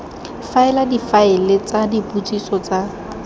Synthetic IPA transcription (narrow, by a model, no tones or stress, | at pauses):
faɪladifaɪlet͡sadiput͡sʼisɔt͡sa